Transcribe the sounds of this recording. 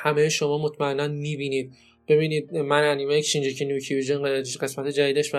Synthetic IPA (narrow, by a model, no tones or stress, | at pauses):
hæmejeʃo̞mɒːmot̪ʰmæenːænmiːbiːniːd̪̥̚ | b̥e̞βiːniːd̪̚mænænimejecʰi̥ʃind͡ʒicʰenjucʰiviʒenɢe̞smæt̪ʰed͡ʒæd̪iːd̪eʃvæ